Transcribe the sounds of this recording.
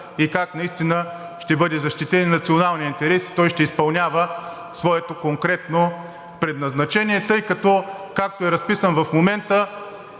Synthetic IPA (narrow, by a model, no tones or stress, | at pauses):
ikaknɐist̪inə | ʃt̪ɛbɤd̪ɛzɐʃt̪it̪ɛnːɐt̪sionalˠniint̪ɛɾɛsi̥t̪ɔjʃt̪ɛispɐlˠnʲavə | svɔɛt̪okoŋkɾɛt̪no | pɾɛd̪nɐznɐt͡ʃɛniɛt̪ɤjkɐt̪ɔ | kak̚t̪oɛɾɐspisənvɐfmomɛnt̪ə